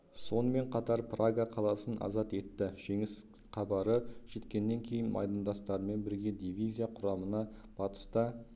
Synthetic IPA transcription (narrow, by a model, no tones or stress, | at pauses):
so̞nəme̞ɴqʰɑt̪ɑɾpraɡaqʰɑlˠɑsənʔɑ̰zɑt̪e̞t̪ːɪʒ̥e̞ŋɪs | qʰɑbɑɾəʒ̥e̞t̪kʲe̞nːe̞ŋkʲʰe̞jɪnmʔɑ̰jd̪ɑnd̪ɑst̪ɑɾəme̞nbɪɾɡʲe̞d̪ivʲijzʲijaqʰʊɾɑmənɑb̥ɑt̪ə̥st̪ə